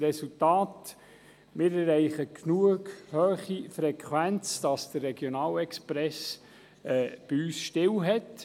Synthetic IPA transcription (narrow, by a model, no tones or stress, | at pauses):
rɛsultɑːt | mɪɾɛrɛɪχəknuəɡhøːχifɾɛkʰʋænt͡sd̥ɑsd̥ərːɛɡ̥jonɑːlɛkspɾɛs | ɛːb̥iyːsʃtɪwɦɛt